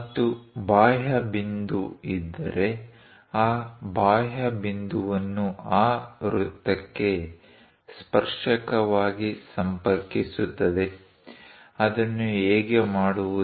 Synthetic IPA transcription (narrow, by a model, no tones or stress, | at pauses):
t̪ːubaːjɐbind̪uid̪ːɐ̰ɾe̞ | aːbaːjɐbind̪uʋɐnːuaːɾut̪ːɐkːe̞ | spɐɾʂɐkɐʋaːɡisɐmpɐɾkisut̪ːɐd̪e̞ | ɐd̪ɐnːueːɡemaːɽuu